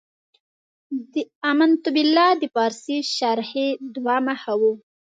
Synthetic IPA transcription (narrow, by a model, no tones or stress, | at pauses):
d̪əamant̪ʊbɪlːɑd̪əpɑɾsiʃaɾhed̪wɑmahawu